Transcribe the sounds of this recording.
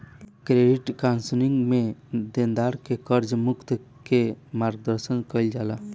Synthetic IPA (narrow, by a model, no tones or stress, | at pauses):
kɾeɖiʈkansəliŋɡmed̪end̪aɾkekəɾd͡ʒmukt̪ | kemaɾɡ̚d̪əɾsənkəjld͡ʒala